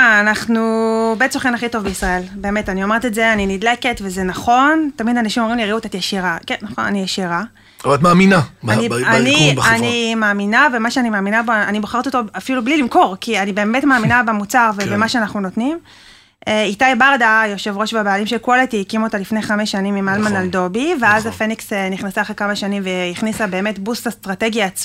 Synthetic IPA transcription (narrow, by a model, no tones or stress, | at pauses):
aːnaχnubet͡soχenaχito̞vbeisʁae̞lbe̞ːme̞tanio̞meetetze̞aninidle̞ke̞tve̞zenaχo̞ntamidanaʃimomʁimliʁeutetjeʃiʁakenːaχo̞̰na̰nijeʃiʁa | avat̪maːminaanianianimaːminavemaʃeanimaːminaboaniboχaʁtiot̪o̞afilublilimko̞ʁkianibe̞ːme̞tmaːminabemut͡saʁvebemaʃeanaχnuno̞tnim | eitajbaʁdajo̞ʃe̞vʁo̞ʃbebeːlimʃekuoletiikimotalifneχameʃːanimːimalmanaldo̞biveazafenikseniχnasaχʁekamaʃanimveiχnisabe̞ːme̞tbusastʁate̞ɡjaːt͡s